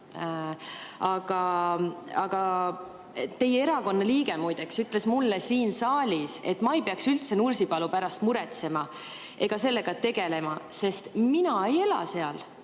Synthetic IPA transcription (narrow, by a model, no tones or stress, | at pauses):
ɑɡ̥ɑ | ɑɡ̥ɑ | t̪e̞jeeɾɑko̞nːɑliːɡ̥e̞mujd̪̥eksyt̪ːˑle̞smulːesiːnsɑːlʲise̞t̪ːˑmɑejpeɑksylt̪se̞nursipɑlupæɾɑst̪muɾe̞t̪se̞mɑ | ʔe̞ɡ̥ɑse̞lːe̞ɡ̥ɑt̪e̞ɡ̥e̞le̞mɑse̞st̪minɑe̞je̞lɑ̰se̞ɑl